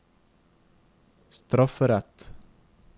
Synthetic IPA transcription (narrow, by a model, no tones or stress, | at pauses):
st̪ɾɔfəɾɛt̪